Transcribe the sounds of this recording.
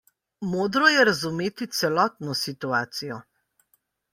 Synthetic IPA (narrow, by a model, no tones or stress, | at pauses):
moːd̪ɾɔjɛɾazumeːt̪it̪sɛlɔːt̪nɔsit̪uaːt̪sijɔ